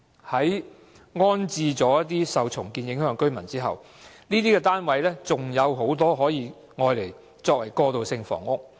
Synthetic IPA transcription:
hɐ˨˥j | ŋɔː˥nt͡siː˧t͡sɔː˨˥jɐ˥t̪iː˥sɐ˨wt͡sʰʊ˨˩ŋkiː˨˧njɪ˨˥ŋhœː˨˧˥ŋkɵ˥ɥmɐ˨˩nt͡siː˥ɦɐ̰˨w | niː˥t̪̬iː˥kɛː˧t̪aː˥nwɐ˨˥jlɛː˥t͡sʊ˨˩ŋjɐ˨˧wɦo˨˥wt̪ɔː˥ɦɔː˨˥jiː˨˧ | ŋɔː˧jle˨˩j | t͡sɔː˧k̚wɐ˨˩jkɔː˧t̪o˨wsɪ˧ŋfɔ̰ː˨˩ŋʊ˥k̚

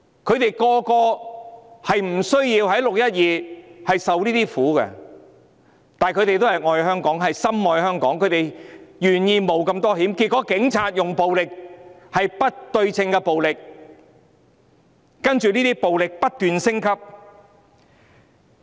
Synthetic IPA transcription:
kʰɵ˨˧ɥt̪e˨jkɔː˧kɔː˧ | hɐ˨jm̩˨˩sɵ˥ɥjiː˧whɐ˨˥jlʊ˨k̚jɐ˥t̚jiː˨˧hɐ˨jsɐ˨wliː˥t̪iː˥fuː˨˥kɛ̰˧ | t̪aː˨nkʰɵ˧t̪e˨jt̪o˥whɐ˨jŋɔː˨˧jhœː˥ŋkɔː˨˥ŋɦɐ˨jsɐ˥mŋɔː˨˧jhœː˥ŋkɔː˨˥ŋkʰɵ˨˧ɥt̪e˨jjyː˨˩njiː˧mo˨˧wkɐ˧mt̪ɔː˥hiː˨˥mki˧t̚kːɔː˨˥kɪ˨˥ŋt͡sʰaː˧t̚jʊ˨ŋpo˨wlɪ˨k̚ | hɐ˨jpɐ˥t̚t̪ɵ˧ɥt͡sʰɪ˧ŋkɛ˧po˨wlɪ˨k̚ | ɐ˥nt͡ʃyː˨niː˥t̪iː˥po˨wlɪ˨k̚pɐ˥t̚t̪yː˨nsɪ˥ŋkʰɐ˥p̚

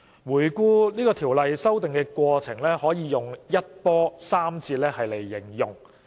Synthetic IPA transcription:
wuː˨˩jkuː˧niː˥kɔː˧t̪ʰiː˨˩wlɐ˨jsɐ˥wt̪ɪ˨ŋkɛː˧kʷɔː˧t͡sʰɪ˨˩ŋlɛː˥hɔː˨˥jiː˨˧jʊ˨ŋjɐ˥t̚pɔː˥saː˥mt͡sʰiː˧t̚lɛː˥hɐ˨jle˨˩jːɪ˨˩ŋjʊ˨ŋ

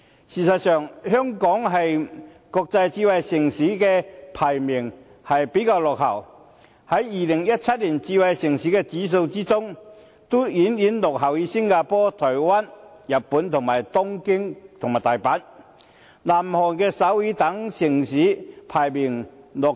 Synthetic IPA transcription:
siː˨˩sɐ˨t̚sœː˨˩ŋhœː˥ŋkɔː˨˥ŋɦɐ˨j | kɔː˧k̚t͡sɐ˧jt͡siː˧wɐ˨jsɪ˨˩ŋsiː˨˥kɛː˧pʰaː˨˩jmɪ˨˩ŋ | hɐ˨jpe˨˥kaː˧wlɔ˨k̚hɐ˨˩w | hɐ˨˥jːiː˨lɪ˨˩ŋjɐ˥t̚t͡sʰɐ˥t̚liː˨˩nt͡siː˧wɐ˨jsɪ˨˩ŋsiː˨˥kɛː˧t͡siː˨˥s̬o˧wt͡siː˥t͡sʊ˥ŋ | t̪o˥jiː˨˥njiː˨˥nlʊ˨k̚ɦɐ˨˩wjiː˨˧sɪ˥ŋkaː˧pɔː˥t̪ʰɔː˨˩jwaː˥njɐ˨t̚pːuː˨˥nt̪ʰʊ˨˩ŋmaː˨˩jt̪ʊ˥ŋkɪ˥ŋt̪ʰʊ˨ŋmaː˨˩t̪aː˨˩jpaː˨˥n | laː˨˩mhɔː˨˩nkɛː˧sɐ˨˥wjiː˨˥t̪ɐ˨˥ŋsɪ˨˩ŋsiː˨˥pʰaː˨˩jmɪ˨˩ŋlɔː˨˩k̚

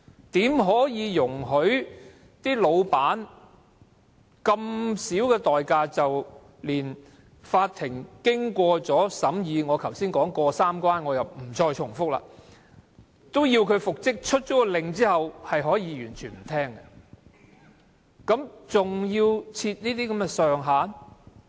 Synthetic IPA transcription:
t̪iː˨˥mɦɔː˨˥jiː˨˧jʊ˨˩ŋɦɵ˨˥ɥ | t̪iː˥lo˨˧wpaː˨˥n | kɐ˧msiː˨˥wkɛː˧t̪ɔː˨jkaː˧t͡sɐ˨w | liː˨˩n | faː˧t̚t̪ʰɪ˨˩ŋkɪ˥ŋkʷɔː˧t͡sɔː˨˥sɐ˨˥mjiː˨˧ŋɔː˨˧kʰɐ˨˩wsiː˥nkɔː˨˥ŋkɔː˧saː˥mkwaː˥nŋɔː˨˧jɐ˨˩wm̩˨˩t͡sɔː˧jt͡ʃʰʊ˨˩ŋfʊ˥k̚la̰ː˧ | t̪o˥wjiː˧wkʰɵ˨˧ɥfʊ˨k̚t͡sɪ˥k̚t͡ʃʰɵ˥t̚t͡sɔː˨˥kɔ˧lɪ˨ŋt͡siː˥hɐ˨whɐ˨jɦɔː˨˥jiː˨˧jyː˨˩nt͡ʃʰyː˨˩nm̩˨˩t̪ʰɛː˥ŋkɛ˧ | kɐ˨˥mt͡sʊ˨ŋjiː˧wt͡sʰiː˧t̚niː˥t̪iː˥kɐ˨˥mɛː˧sœː˨ŋɦaː˨˥n

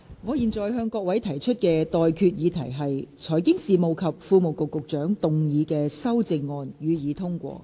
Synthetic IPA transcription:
ŋɔː˨˧jiː˨nt͡sɔː˨˩jɦœː˧ŋkɔː˧k̚wɐ˨˥jt̪ʰɐ˨˩jt͡ʃʰɵ˥t̚kɛː˧t̪ɔː˨jkʰyː˧t̚jiː˨˧t̪ʰɐ̰˨˩jɦɐ˨jt͡sʰɔː˨˩jkɪ˥ŋsiː˨mo˨˩wkʰɐ˨p̚fuː˧mo˨wkʊ˨kːʊ˨k̚t͡ʃœː˨˥ŋt̪ʊ˨ŋjiː˨˧kɛː˧sɐ˥wt͡sɪ˧ŋːɔː˧njyː˨˧jiː˨˧t̪ʰʊ˥ŋkʷɔ̰ː˧

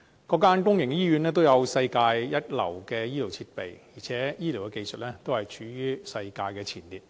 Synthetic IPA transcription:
kɔː˧kːaː˥nkʊ˥ŋjɪ˨˩ŋkjiː˥jyː˨˧nlɛː˥t̪̬o˥wjɐ˨˧wsɐ˧jkaː˧jjɐ˥t̚lɐ̰˨˩wkɛː˧jiː˥li˨˩wt͡sʰiː˧t̚pe˨jjiː˨˩t͡sʰɛː˨˥jiː˥li˨˩wkɛ˧ke˧jsə˨t̚lɛː˥t̪o˥whɐ˨jt͡ʃʰyː˨˥jyː˥sɐ˧jkaː˧jkɛː˧t͡sʰiː˨˩nliː˨t̚

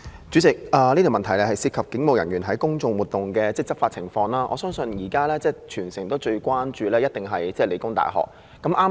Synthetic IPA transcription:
t͡ʃy˨˥t͡sɪ˨k̚ɐː˨˩li˥t̪ʰi˨mɐ˨nt̪ʰɐ˨˩jlɛ˧hɐ˨jsiː˧p̚kʰɐ˨p̚kɪ˨˥ŋmo˨wjɐ˨˩njyː˨˩nɦɐ˨˥jkʊ˥ŋt͡sʊ˧ŋwuː˨t̪ʊ˨ŋkɛː˧t͡sɛː˥t͡sɐ˥faː˧t̚t͡sʰɪ˨˩ŋfɔː˧ŋlaː˥ʔɔ̰ː˨˧sœː˥ŋsɵ˧njiː˨˩kaː˥lɛː˥t͡sɛː˥˩t͡ʃʰyː˨˩nsɪ˨˩ŋt̪o˥wt͡ʃɵ˧ɥkʷaː˥nt͡ʃyː˨˧lɛː˥jɐ˥t̚t̪ɪ˨˩ŋɦɐ˨jt͡sɛː˥˩le˨˧jkʊ˥ŋt̪a̰ː˨jɦɔ̰ː˨˩k̚ːɐ˨˥mʔaː˥

